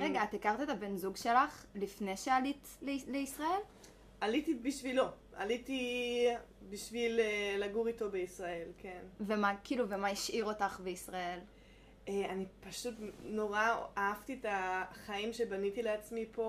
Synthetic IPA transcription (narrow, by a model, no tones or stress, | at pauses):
ʁe̞ɡaat̪ekaʁt̪et̪abe̞nzuɡʃe̞laχlifne̞ʃealit̪ | leleisʁae̞l | alit̪ibiʃvilo̞ | a̰liti | biʃvilelaɡuʁito̞beisʁae̞lke̞nvemakiːluvemaiʃʔiʁo̞taχbeisʁae̞l | eanipaʃutno̞ʁaaaft̪ietaχaimʃebanit̪ileat͡smipʰo